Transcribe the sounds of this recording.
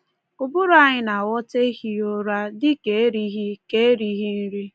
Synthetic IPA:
kʊ˨bʊ˦ɾʊ˨˦a˨ɲɪ˨na˨wɔ˦te˦hi˨o˦ɾa˦dɪ˦ke˨e˦ɾi˦ɦi˦ke˦e˦ɾi˦ɦi˦n̩˦ɾi˦

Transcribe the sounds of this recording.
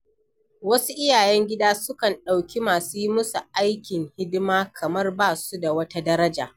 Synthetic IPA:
wɐ˦su˦ʔɪ˦jaː˨jɛ˦ŋɡʲɪ˦daː˦sʊ˦kɐ˨nɗa˨wkʲi˦maː˨suː˦ji˦mʊ˦su˨ʔa˦jkʲɪ˨ŋhɪ˦dmaː˦kʰɐ˨mɐ˦rbaː˦su˦da˨wɐ˦ta˦dɐ˦ɾɐ˦d͡ʒa̰ː˨

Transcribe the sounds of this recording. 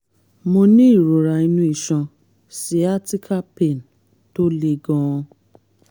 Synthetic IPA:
mo˧nĩ˦i˦˨ɾo˨ɾa˨i˧nũ˧˦i˦˨ʃɔ̃˧ | si˨˦a˦ti˦kʰa˦pe˦˨n | to˦le˧ɡɔ̃˧ɔ̃˧

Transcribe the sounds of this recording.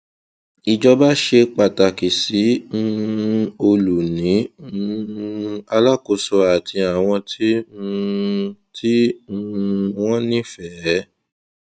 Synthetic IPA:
i˨d͡ʒɔ˧ba˦ʃe˧k͡pa˨ta˨ki˨sĩ˨˦˧ | o˧lu˨nĩ˨˦˧ | a˧la˦ko˧˨sɔ˧a˨tʰi˧a˨w̃ɔ̃˧tʰĩ˦˧ | tʰi˦ũ˧w̃ɔ̃˦nĩ˦fɛ˦˨˦

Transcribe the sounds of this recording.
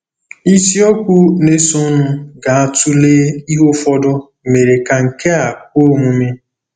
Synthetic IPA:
i˦si˦o˦kʷu˦ne˦so˦nʊ˦ɡa˨a˦tu˦leː˦i˦ɦo˦fɔ˦dɔ˦ | me˨ɾe˨ka˨ŋ̩˨ke˦a˨k̚ʷo˦mu˨me˦

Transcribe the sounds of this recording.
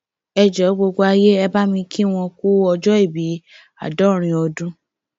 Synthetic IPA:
ɛ˧d͡ʒɛ˨˦ɡ͡bo˧ɡ͡bo˦a˧je˦ɛ˧ba˦mĩ˧ki˦w̃ɔ̃˧ku˦ɔ˧d͡ʒɔ˦i˦˨bi˨˦ | a̰˦˨dɔ˨˦ɾ̃ĩ˧ɔ˧dũ˦

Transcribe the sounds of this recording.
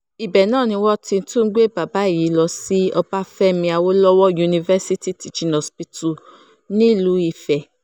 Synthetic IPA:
i˨bɛ˨nãː˦˨nĩ˧wɔ˦tĩ˧n̩˦tũ˦˧˦ɡ͡be˦˨ba˨ba˨˦i˦˨ji˨˦lɔ˧si˦ɔ˧ba˦fɛ˦mĩ˧a˧wo˦lɔ˦wɔ˦ju˧nĩ˧vɛ˦si˦ti˦ti˨d͡ʒi˧˨nɔ̃˨spi˧tu˨ | nĩ˦˨lu˨˦i˧˨fɛ˨

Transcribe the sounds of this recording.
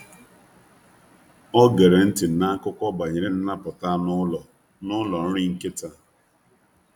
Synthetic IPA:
ɔ˦ɡe˨ɾe˨n̩˦tɪ˨n̩˨na˦kʊ˦kʷɔ˦ba˨ɲe˨ɾe˨n̩˦na˦pʊ˨ta˦nʊ˦lɔ˨ | nʊ˦lɔ˨n̩˦ɾɪ˦ŋ̩˦kɪ˦ta˦

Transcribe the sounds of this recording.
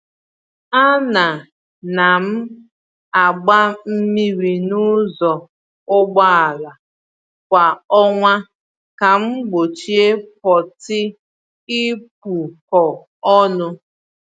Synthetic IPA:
a˦na˨ | na˨m̩˦ | a˨ɡ͡ba˦m̩˦mi˦ɾi˨nʊ˦zɔ˨ | ʊ˦ɡ͡ba˦a˨la˨ | kʷa˨ɔ˦ŋʷa˦ | ka˨m̩˦ɡ͡bo˨t͡ʃi˦e˦p̚ɔ˨tɪ˦ | i˦p̚u˨ | ɔ˨ | ɔ˦nʊ˦

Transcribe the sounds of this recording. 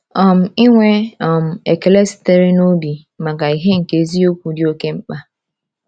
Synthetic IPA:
ɔ˨m̩˨i˦ŋʷe˦ɔ˨m̩˨e˨ke˨le˦si̥˨te˦ɾi˦no˦bi˨ | ma˨ka˨i˨ɦe˦ŋ̩˨ke˨˦zi˦o˦kʷu˨dɪ˦o˦ke˦m̩˦k͡pa˦

